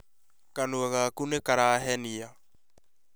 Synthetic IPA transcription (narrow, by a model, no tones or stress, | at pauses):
kanuaɣakunekaɾaːɦɛnia